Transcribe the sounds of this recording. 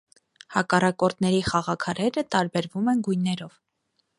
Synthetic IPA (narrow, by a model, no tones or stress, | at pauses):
hɑkɑrɑkɔɾt̪nɛɾiχɑʁɑkʰɑɾɛɾət̪ɑɾbɛɾvumɛnɡujnːɛɾɔv